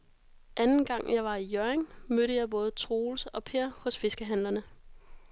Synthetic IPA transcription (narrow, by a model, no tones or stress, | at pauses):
ʔænn̩ɡ̥ɑ̈ŋ̰jɑ̈ɪʋɑ̈ijøɐeŋmøɾəjɑ̈ɪb̥ɔ̽ːð̞̩ˠt͡sʰʁo̝ːlsəɒ̽pʰe̝ɐ̰hɔ̽sfe̝sɡ̥əɦæn̰lɐnə